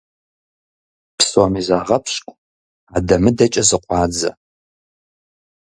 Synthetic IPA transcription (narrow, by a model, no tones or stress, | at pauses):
psomizaːʁɐpʰɕʼkʷʼ | aːdɐmɨdɐt͡ʃʼɐzɨqʷʼɑːd͡zɐ̰